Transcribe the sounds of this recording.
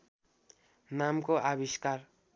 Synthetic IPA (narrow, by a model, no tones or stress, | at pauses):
namkoʔabiskar